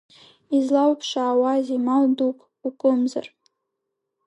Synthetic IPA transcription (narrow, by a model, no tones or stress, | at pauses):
izlawpʰʂaːwazimaldukʼ | ukʷʼʊmza̰r